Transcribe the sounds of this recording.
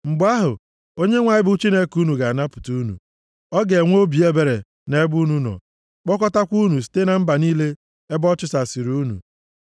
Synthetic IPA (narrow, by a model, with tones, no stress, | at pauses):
ŋ͡m̩˨ɡ͡ba˦ɦʊ˨ | o˦ɲe˦ŋʷa˨ɲɪ˦bʊ˦t͡ʃi˦ne˦ku˦nu˨ɡa˨na˦pʊ̥˨tu˦nṵ˨ | ɔ˦ɡe˨ŋʷ˦o˦bi˨e˦be˨ɾe˨ | ne˦bu˦nu˦nɔ̰˨ | k͡pɔ˦kɔ˦ta˦kʷu˦nu˨s̬i̥˨˦te˦na˨m̩˦ba˨niː˦le˦ | e˦bɔ˦t͡ʃʊ˦sa˨si˨ɾu˦nṵ˨